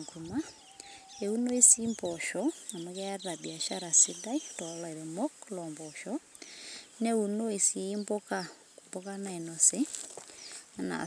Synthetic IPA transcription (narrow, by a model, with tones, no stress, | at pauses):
kuma˦ | e˨u˦no˦i˦simbɔʃɔna˨muɣɛa˦ɾɛɾa˨bia˨ʃaɾa˨si˦da˦itɔ˨laiɾe˨mɔ˦klɔmbɔʃɔ | neuno˦i˨si˨i˦mboka˦ | kumboka˦na˦ɛnɔ˨se˦ | ana̰˨